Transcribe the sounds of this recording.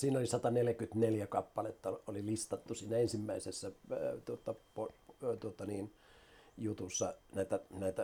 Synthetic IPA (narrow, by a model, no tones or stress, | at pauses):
siːnolisɑt̪ɑneljækyt̪neljækɑpːɑlet̪ːɑolilist̪ɑt̪ːusiːnæensimːæisesːæt̪uot̪ːɑpot̪uot̪ɑniːn | jut̪usːɑnæˑit̪ænæˑit̪æ